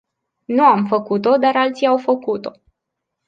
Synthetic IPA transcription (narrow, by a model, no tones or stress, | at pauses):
nuamfəkut̪o̞d̪aɾalt̪sijawfəkut̪o̞